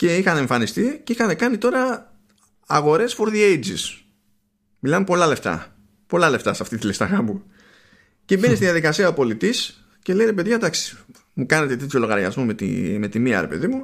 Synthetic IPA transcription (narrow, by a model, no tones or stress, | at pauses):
ce̞ixɐneɱfɐnist̪iceixɐne̞kɐnit̪o̞ɾɐː | ɣo̞ɾe̞sfo̞ɾðiejd͡zis | milɐmpo̞lɐle̞ft̪ɐ̰ | po̞lɐle̞ft̪ɐsɐft̪it̪ilist̪ɐɣɐbu | cebe̞nist̪iðjɐðikɐsiɐopo̞lit̪is | ce̞le̞iɾepe̞ðʝɐd̪ɐksi̥ | mukɐne̞t̪e̞t̪et̪ço̞lo̞ɣɐɾʝɐ̰zmo̞met̪ḭme̞t̪imiɐ̰ɾe̞pe̞ðimu